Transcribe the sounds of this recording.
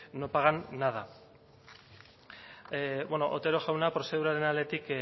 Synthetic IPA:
no̞paɣanːaða | βwenoʔo̰t̪e̞ɾo̞ʝawnapɾo̞se̞ð̞uɾaɾe̞nale̞t̪ik

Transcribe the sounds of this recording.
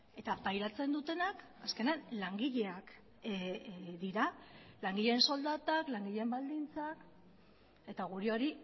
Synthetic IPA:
e̞t̪apajɾat͡se̞nd̪ut̪e̞nak | aske̞neanlaŋɡiʎe̞ak | ðiɾalaŋɡiʎeːnso̞ld̪at̪aklaŋɡiʎe̞mbald̪int͡sak | e̞t̪aɣ̞uɾio̞ɾi

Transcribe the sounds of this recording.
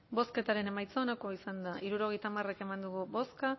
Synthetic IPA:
bo̞ske̞t̪aɾe̞ne̞majt͡soːnako̞isand̪aʔiɾuɾo̞ɣejt̪amare̞ke̞mand̪uɣubo̞ska

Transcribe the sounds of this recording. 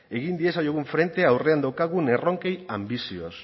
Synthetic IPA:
e̞ɣind̪iesajoɣuɱfɾe̞nt̪e̞awre̞and̪awkaɣune̞ro̞ŋke̞jambisio̞s

